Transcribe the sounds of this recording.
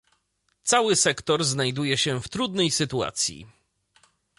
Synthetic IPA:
t̪sawɘsɛkt̪ɔɾznajd̪ujɛɕɛft̪ɾud̪nɛjsɘt̪ua̰t̪sʲjḭ

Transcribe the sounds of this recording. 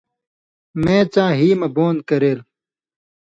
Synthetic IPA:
mẽːt͡sãːɦiːmɐboːnkɐɾeːl

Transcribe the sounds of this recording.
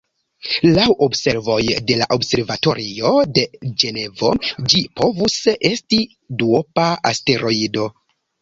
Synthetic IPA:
lawʔobse̞ɾvo̞jde̞laʔo̞bse̞ɾvato̞̰ɾio̞de̞d͡ʒe̞ne̞vo̞d͡ʒipo̞vuse̞sti | duopaaste̞ɾo̞ido̞

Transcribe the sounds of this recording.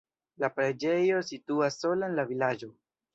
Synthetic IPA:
lapɾed͡ʒe̞jo̞situasːo̞laenlavilad͡ʒo̞

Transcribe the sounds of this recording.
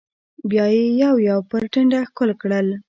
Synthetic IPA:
bjɑjejawjawpəɾʈəɳɖaxkʊlkɽəl

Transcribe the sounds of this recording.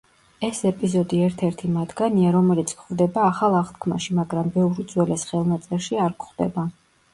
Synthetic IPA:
ɛsɛpʼizɔd̪iɛɾt̪ʰɛɾt̪ʰimad̪ɡaniaɾɔmɛlit̪sʰkχɾd̪ɛbaːχalˠaχʁt̪kʰma̰ʃimaɡɾambɛvɾud̪zwɛlɛsχɛlˠmat̪sʼɛɾʃiaɾkχd̪ɛ̰ba

